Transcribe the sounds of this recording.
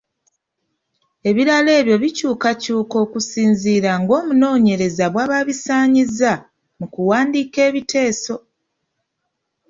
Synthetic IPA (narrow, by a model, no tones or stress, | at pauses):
e̞βiɾale̞ːβjo̞βicuːkacuːko̞ːkusiːnziːɾaŋɡo̞ːmuno̞ːɲe̞ɾe̞zaβwaːβaβisaːɲiza | mukuwaːndiːke̞ːβitʰe̞ːso̞